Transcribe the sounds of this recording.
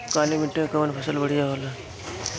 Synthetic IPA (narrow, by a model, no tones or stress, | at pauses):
kaːlimiʈːẽkəmənpʰəsəlbəɽ̤ijaɦola